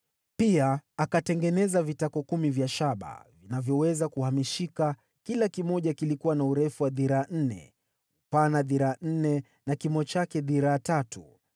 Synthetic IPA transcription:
piaːkatɛŋɡɛnɛzavitakɔkumivjaʃaɓa̰vinavjɔwɛzakuhamiʃika | kilakimɔʄakilikuwanauɾɛfuwaðiɾaːn̩nɛ̰ | upanaðiɾaːn̩nɛ | nakimɔt͡ʃakɛðiɾaːtatu

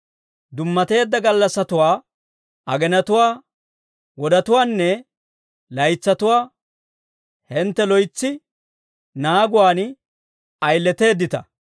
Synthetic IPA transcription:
d̪ʊmːɐt̪e̞ːd̪ːɐɡɐlːɐsːɐt̪ʊwaː | ʔɐɡɛnɐt̪ʊwaː | wɔd̪ɐt̪ʊwaːnːɛ | lɐjt͡sːɐt̪ʊwaː | hɛnt̪ːɛlɔjt͡sːɪ | naːɡʊwaːn | ɐjlːɛt̪e̞ːd̪ːɪt̪ɐ̰

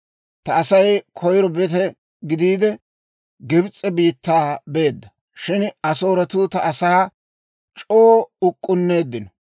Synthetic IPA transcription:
t̪ɐɐsɐjkʰɔjɾɔbɛt̪ɛ | ɡɪd̪iːd̪ɛ | ɡɪbt͡sʼːɛbiːt̪ːaːbe̞ːd̪ːɐ | ʃɪnɐso̞ːɾɐt̪uːt̪ɐɐsaː | t͡ʃʼoːʊkʼːʊnːe̞ːd̪ːɪnɔ

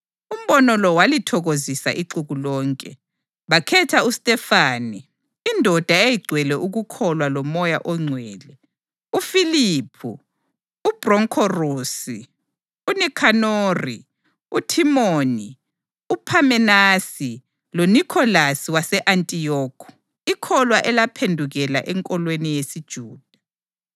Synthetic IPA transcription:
um̩bɔnɔlɔwalitʰɔɣozisa̰ʔiǀuɣulɔːŋkʼɛ | βakʰɛtʰaustʼɛfaːniː | ndʱɔd̥ʱaejiɡ͡ǀʱwɛlɛʔuɣukʰɔlwalɔmɔjaʔɔŋ͡ǀʱwɛːlɛ | ufilipʰṵː | b̥rɔŋkʰɔruːsi | unikʰanoːrḭ | utʰimoːni | upʰamɛnasi | lonikʰɔlasiwasɛʔantʼijɔːkʰɔ̥ | ikʰɔlwaʔɛlapʰendʱuɣɛla̰ʔɛŋkʼɔlwenijesid̥ʒ̥ʱuːd̥ʱḁ

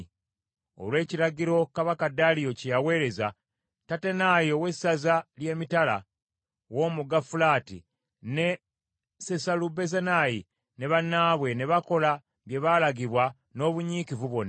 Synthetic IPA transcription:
o̞̰lwe̞ːciɾaɟiɾo̞kaβakadalijo̞cejawe̞ːɾe̞za | tatenaːjo̞we̞sːazalje̞ːmitala̰ | wo̞muɡafulaːtḭ | ne̞ | se̞salube̞zanaji | ne̞βanːaːβwe̞ne̞βako̞la | βje̞βalaɡiβwa | no̞ːβuɲiːkivuβo̞na

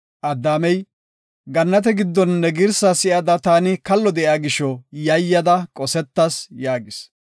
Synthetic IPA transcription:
ʔɐd̪ːaːmɛj | ɡɐnːɐt̪̬ɛɡɪd̪ːɔnːɛɡɪɾsasɪʔɐd̪ɐt̪aːnɪkɐlːɔd̪ɛʔjaːɡɪʃɔjɐjːɐd̪ɐkʼɔsɛt̪ːɐsjaːɡɪs

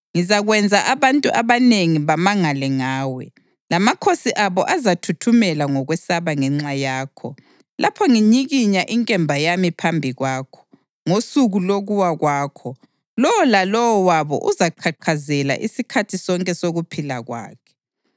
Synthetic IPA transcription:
ŋizaɣwɛnd͡zʱaʔaβantʼuʔaβaneŋiβamaŋalɛŋaːwɛ̰ | lamakʰosiʔaβɔʔazatʰutʰumɛlaŋɔɣwɛsaβaŋɛŋ͡ǁajaːkʰɔ̰ | lʔapʰɔŋiɲiɣiɲaʔiŋkʼɛmbʱajamipʰambʱiɣwaːkʰɔ̥ | ŋosuɣuloɣuwaɣwaːkʰɔ | lɔwɔlalɔwɔwaβɔ̰ʔuzaǃʰaǃʰazɛla̰ʔisikʰatʰisɔŋkʼɛsoɣupʰilaɣwa̰ːkʰɛ̥

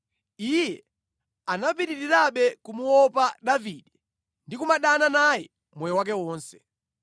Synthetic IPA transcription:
ijɛ | anapiɾiɾiɾaɓɛkumuwɔpaɗaviːɗɛ | ndikumaɗananajɛ | mwɛjɛwak̬ɛwɔːnsɛ̥

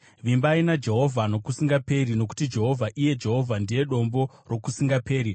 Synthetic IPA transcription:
ʋimbainad͡ʒe̞ɦo̞vʱano̞kusiŋɡape̞rino̞k̬u̥tid͡ʒe̞ɦo̞vʱaʔije̞d͡ʒe̞ɦo̞vʱandije̞ɗo̞mbo̞ | ro̞kusiŋɡape̞ːɾi

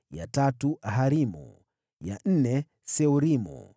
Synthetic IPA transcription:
ja̰tatuʔaɦaɾimṵ | ja̰n̩nɛ | sɛuɾimṵ

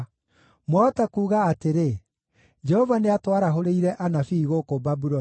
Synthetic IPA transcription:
mwaɔtakuːɣaːteɾe | d͡ʒɛhɔvaneatwaɾaɦoɾeiɾɛʔanafiːɣokobabuɾɔ

